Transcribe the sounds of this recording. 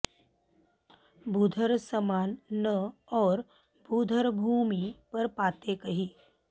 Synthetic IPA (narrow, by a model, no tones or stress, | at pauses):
bʱuːd̪ʱəɾsəmaːnːəɔːɾ | buːd̪ʱəɾbʱuːmipɐɾpaːt̪ekɐɦiː